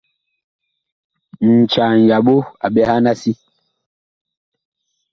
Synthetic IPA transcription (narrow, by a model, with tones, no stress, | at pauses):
n̩˨t͡ʃa˨n˨ja˨ɓo˦a̰˨ɓɛ˦ha˦na˦si˦